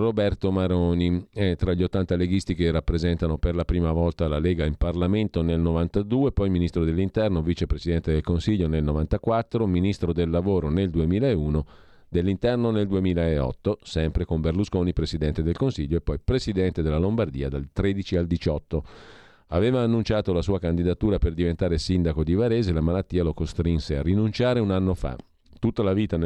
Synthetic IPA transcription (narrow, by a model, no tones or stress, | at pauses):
robɛrt̪omaɾoːniɛt̪ɾaʎːiot̪ːant̪aleɡist̪ikerːapːɾezɛnt̪anoperlapɾiːmavɔlt̪alaleːɡaimparlament̪onelnovant̪ad̪uːepɔjminist̪ɾod̪elːint̪ɛrnovit͡ʃepɾesid̪ɛnt̪ed̪elkonsiʎːonelnovant̪akwat̪ːɾominist̪ɾod̪elːavoːɾoneld̪uemiːlaeuːno | d̪elːint̪ɛrnoneld̪uemiːlaeɔ̰t̪ːosɛmpɾekomberluskoːnipɾesid̪ɛnt̪ed̪elkonsiʎːoepːɔjpɾesid̪ɛnt̪ed̪elːalombard̪iːad̪alt̪ɾeːd̪it͡ʃiald̪it͡ʃɔt̪ːo | aveːvaːnːunt͡ʃaːt̪olasuːakand̪id̪at̪uːɾaperd̪ivent̪aːɾesind̪akod̪ivaɾeːzelamalat̪ːiːalokost̪ɾinsearːinunt͡ʃaːɾeunanːofa̰ | t̪ut̪ːalaviːt̪an